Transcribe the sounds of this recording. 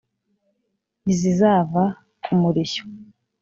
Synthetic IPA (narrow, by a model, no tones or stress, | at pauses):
izizaːva | umuɾiço̥